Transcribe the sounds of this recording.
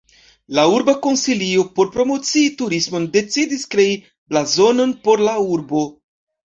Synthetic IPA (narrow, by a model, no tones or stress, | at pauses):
lauɾbako̞nsiliopo̞ɾpɾo̞mo̞t͡siːtuɾismo̞nde̞t͡sidiskɾe̞i | blazo̞no̞npo̞ɾlauɾbo̞